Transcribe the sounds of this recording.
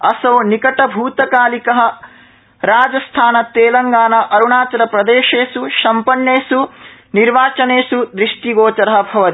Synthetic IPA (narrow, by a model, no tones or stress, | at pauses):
ɐsɐnikɐʈɐbʱuːt̪ɐkaːlikɐɦɐ̆ | ɾaːd͡ʒɐst̪ʰaːnɐt̪eːlɐŋɡaːnɐʔɐɾuɳaːt͡ʃɐɾɐpɾɐd̪eːʃeːsuʃɐmpɐɳjeːsuniɾʋaːt͡ʃɐneːsud̪ɾiʂʈiɡoːt͡ʃɐɾɐɦɐ̆bʱɐʋɐt̪i